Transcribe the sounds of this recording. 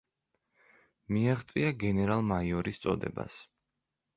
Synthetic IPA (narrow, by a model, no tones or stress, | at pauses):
miaʁt̪sʼiaɡɛnɛɾalˠmaiɔɾist̪sʼɔ̰d̪ɛ̰ba̰s